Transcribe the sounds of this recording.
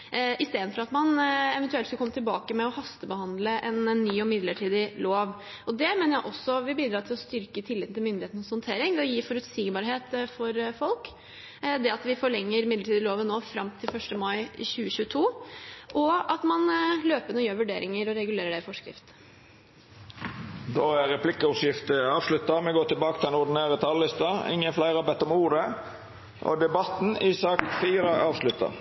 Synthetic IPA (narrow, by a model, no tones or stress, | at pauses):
ʔɪst̪eːd̪n̩fɔɾɑt̪mɑnɛʋɛnt̪ʉɛlt̪skɑlkɔmːət̪ɪlbɑːkəmɛɔhɑst̪əbəhɑnd̪ləʔɛnːyːɔmɪd̪ləʈʰiːd̪ɪloːʋ | ɔd̪ɛmeːnəɾjæɪʔɔsːɔʋɪbiːd̪ɾɑːt̪ʰɪlɔst̪ʏɾkət̪ʰɪlːɪt̪n̩ɪlmʏnd̪ɪheːt̪n̩ɔshɔnt̪ʰeːɾɪŋd̪ɛɔjiːfɔɾʉt̪siːɡbɑɾɦeːt̪fɔɾfɔlk | d̪ɛɑt̪ʋɪfɔɭɛŋːəɾmɪd̪ləʈiːd̪ɪloːʋənoːfɾɑmt̪ʰɪlfœʂʈəmɑɪçʉːəçʉːət̪ʰuːʔɔɑt̪mɑnløːpənɔjøːɾʋʉɖḛːɾɪŋəɾɔɾɛɡʉleːɾəɖɛɪfɔʂkɾɪ̰ft̪ | d̪oːæʁɛpʰlɪkəɔsjɪft̪əɑːʋslʉt̪ːɑmɛɡoːʈ̪ɪlbɑːkət̪ʰɪlɛnʊɾd̪ɪneːɾət̪ʰɑllɪst̪ɑɪ̰ŋːənflæɪɾɑbɛt̪ːɔmuːɾə | ʔɔ̰d̪ɛbɑt̪n̩ɪsɑk̪fiːɾəʔɑːʋslʉt̪ɑ̰